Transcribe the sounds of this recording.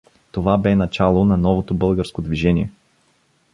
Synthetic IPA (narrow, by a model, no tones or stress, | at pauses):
t̪ovabɛnɐt͡ʃalˠonɐnɔvot̪obɤlˠɡəɾskod̪viʒɛniɛ